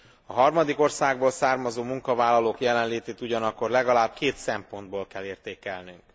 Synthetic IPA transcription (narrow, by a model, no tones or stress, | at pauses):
ɒɦɒrmɒd̪iko̞rsaːɡ̚boːlsaːrmɒzoːmuŋkɒvaːlːɒloːkjɛlɛnleːt̪eːt̪uɟɒnɒkːo̞rlɛɡɒlaːb̥̚keːt̪sɛmpo̞nd̪̚boːlkɛleːrt̪eːkɛlnyŋk